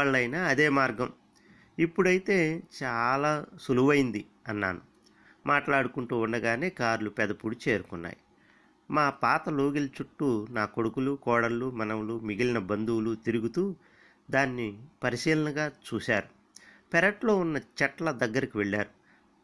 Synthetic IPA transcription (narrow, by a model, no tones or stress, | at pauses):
aːɭːɐjnaːɐd̪e̞ːmaːɾɡɐm | ipːuɽɐjit̪e̞ːt͡ʃaːlaːsuluʋɐjind̪i | ɐnːa̰ːnu | mʔaːʈlaːɽukuɳʈuːunːɐɡaːne̞ːkaːɾlupɛd̪ɐpuɽut͡ʃe̞ːɾukunːa̰ːji | maːpaːt̪ɐloːɡilt͡ʃuʈːunaːko̞ɽukulukɔːɽɐlːumɐnɐmlumiɡilinɐbɐnd̪uwlut̪iɾuɡut̪uː | d̪aːnːipɐɾisiːlɐnɐɡaːt͡ʃuːsaːɾu | pɛɾɐʈlo̞ːunːɐt͡ʃɐʈlɐd̪ɐɡːɐɾikiʋɛɭːaːɾu